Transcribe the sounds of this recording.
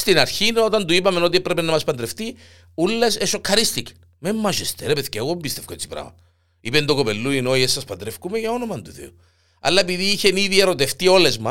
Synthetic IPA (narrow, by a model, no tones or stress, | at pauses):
st̪inɐɾçino̞t̪ɐnd̪uipɐme̞no̞t̪iepɾepenɐmɐspɐnd̪ɾeft̪i | ulːesesokxɐɾist̪ice̥ | memːɐʃest̪eɾepeθceɐɣombist̪e̞fkoet͡ssi̥pɾɐ̰mɐ̰t̪ | ipend̪okopelːuinoiesːɐspɐnd̪ɾefkumeʝɐo̞nomɐnd̪uðḛu | ɐ̰lːɐepiðiːçeniðieɾo̞t̪e̞ft̪io̞le̞zmɐ